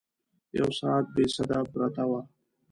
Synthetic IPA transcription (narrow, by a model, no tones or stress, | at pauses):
ja̰wsaːt̪̚besad̪abɾat̪awa